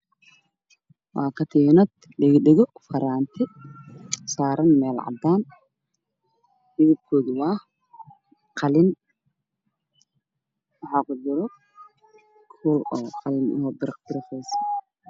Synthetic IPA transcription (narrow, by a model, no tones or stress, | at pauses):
wɑːkʰɐt̪ʰiːnɔd̪ | ɖɪɣɖɪɣɔfɐɾaːnt̪ʰɪ | saːɾɐnmɛːlʕɑ̰d̪aːn | hɪðɪb̚kʰɔːðwɑː | qʰɑlɪn | wɑħɑqʊd͡ʒɪɾɔ | kʰuːlɔːqɑlɪnʊ̰hɔb̪ɪɾɐqd̪ɪɾɪfɛjsɐ̥